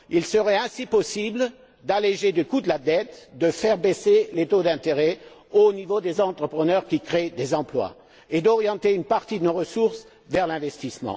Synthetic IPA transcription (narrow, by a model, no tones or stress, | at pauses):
ilsəʁɛɛ̃sipɔsibl | d̪aleʒed̪əkud̪əlad̪ɛt̪d̪əfɛʁbeselet̪od̪ɛ̃t̪eʁɛ | onivod̪ezɑ̃t̪χəpχənœʁkʲikχed̪ezɑ̃plwa̰ | ed̪ɔʁjɑ̃t̪eynpaʁt̪id̪ənoʁəsuʁs | vɛʁlɛ̃vɛst̪ismɑ̰̃